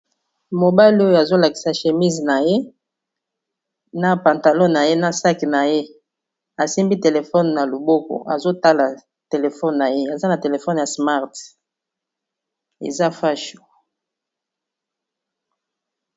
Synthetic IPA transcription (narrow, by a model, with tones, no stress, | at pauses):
mo˨ba˦li˦o˦jo˨a˨zo˦la˨ki̥˨sa˨ʃe˨mi˦zna˨je˦ | na˦pa˨nta˨lɔ˦na˨je˦na˦sa˦ki˨na˨je˦ | a˨si˦mbi˦te˨le˨fɔ˦n˨na˨lo˨bo˦ko̰˨a̰˨zo˦ta˦la˨ | te˨le˨fɔ˦nna˨je˦a˨za˦na˨te˨le˨fɔ˦n˨ja˨sma˦ʁt | ḛ˨za˦fa˦ʃo̥˨